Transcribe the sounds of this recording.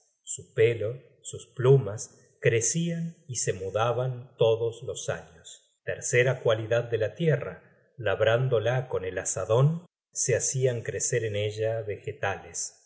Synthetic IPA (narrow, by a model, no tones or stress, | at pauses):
supe̞lo̞ | susplumas | kɾesianise̞muðaβant̪o̞ðoslo̞sa̰ɲos | t̪eɾseɾakwaliðað̚ːe̞lat̪jera̰ | laβɾand̪olako̞nelasaðo̞n | seasiaŋkɾeseɾeneʒaβe̞xet̪ales